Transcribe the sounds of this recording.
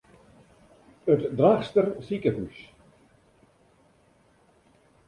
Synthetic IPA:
ətdraxstərsikəɦys

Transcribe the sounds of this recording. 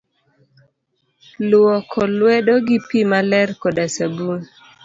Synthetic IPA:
lwɔkʰɔlwɛdoɡipimalɛrkɔdasabun

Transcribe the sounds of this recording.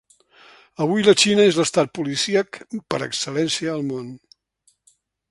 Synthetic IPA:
əβ̞ujlət͡ʃinəezləst̪at̪̚pulisiəkpəɾə̰ksəlɛnsiəːlˠmon

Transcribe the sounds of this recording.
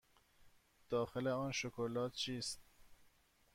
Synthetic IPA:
d̪̥ɒːxeleɔːnʃokʰolɒːt̪̚t͡ʃʰiːst̪̚

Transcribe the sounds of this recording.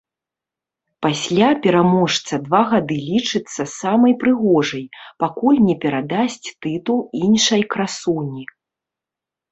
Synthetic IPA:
pasʲlʲapʲɛɾamɔʂt̪sɐd̪vaɣad̪ɨlʲit͡ʂɨt̪sːɐsamɐjpɾɨɣɔʐɐjpakulʲnʲɛpʲɛɾad̪asʲt͡sʲt̪ɨt̪ulˠinʂɐjkɾasunʲi

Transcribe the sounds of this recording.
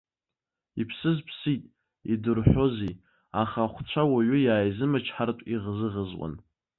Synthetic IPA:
ipʰsɨzpʰsitʼ | idɨrħʷᶣo̞zi | aχaχʷt͡ɕʷʰawaɥʊjaːjzɨmat͡ʃʰħartʷʼiʁzɨʁəzwʷʼa̰n

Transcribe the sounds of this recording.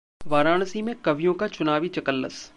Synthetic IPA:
ʋaːɾaːñsimẽkɐʋijõkat͡ʃʊnaːʋit͡ʃɐkəlːə̰s

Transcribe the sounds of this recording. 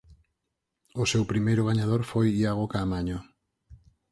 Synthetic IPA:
ʊsewpɾimejɾʊɣaɲað̞oɾfojiaɣokaːmaɲo

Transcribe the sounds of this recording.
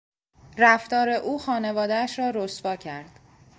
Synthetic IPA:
ræft̪ɒːɾe̞ʔuːxɒːne̞vɒːd̪eæʃɾɒːɾosvɒːcʰæɾd̪̥

